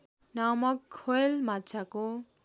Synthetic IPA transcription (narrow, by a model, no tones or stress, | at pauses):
namʌkʰːoelmat͡sʰako